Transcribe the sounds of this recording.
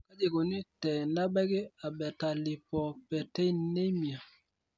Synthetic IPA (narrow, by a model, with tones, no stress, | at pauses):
ka˦d͡ʒe˨ɡo˨ni˦tɛ˨na˦bɛ˦ɡe˦a˨bɛ˨ta˨li˨pɔ˨pɛ˨tɛ˦i˦ne˦mi˨a˨